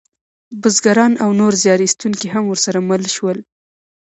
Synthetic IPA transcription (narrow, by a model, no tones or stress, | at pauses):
bʊzɡaɾɑnawnoɾzjɑɾist̪unkiɦamwəɾsaɾaməlʃwəl